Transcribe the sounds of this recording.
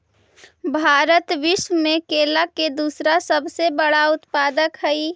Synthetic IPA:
bʱaːɾət̪ʋɪʃwəmẽkeːlaked̪uːsɾasəbsebəɽaʊt̪paːd̪əkɦəi

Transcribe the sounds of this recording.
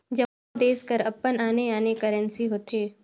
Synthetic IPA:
d͡ʒɐ | d̪eːskəɾɐpːənaːneaːnekəɾə̃nsiɦoːt̪eː

